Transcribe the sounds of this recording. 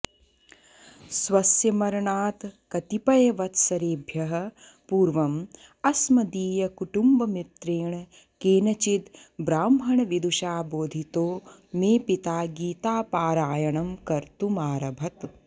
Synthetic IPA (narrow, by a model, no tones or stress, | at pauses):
sʋɐsjɐmɐɾɐɳaːt̪kɐt̪ipɐjɐʋɐt̪sɐɾeːbʱjɐɦɐ̆ | puːɾʋɐm | ɐsmɐd̪iːjɐkuʈumbɐmit̪ɾeːɳɐ | keːnɐt͡ʃit̪bɾaːmɦɐɳɐʋid̪uʃaːboːd̪ʱit̪oːmeːpit̪aːɡiːt̪aːpaːɾaːjɐɳɐmkɐɾt̪umaːɾɐbʱɐt̪